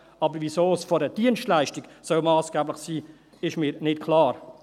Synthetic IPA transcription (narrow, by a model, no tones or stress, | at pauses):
ɑbəɾvisoːsfɔɾdəd̥iənstlæɪʃtiɡ̥sœlmɑːsɡ̥æːblɪχsiː | ɪʃmiːɾnɪtkʰlɑːɾ